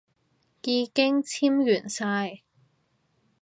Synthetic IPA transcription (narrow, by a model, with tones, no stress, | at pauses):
kiː˧kɪ˥ŋt͡sʰiː˥mjyː˨˩nsaː˧j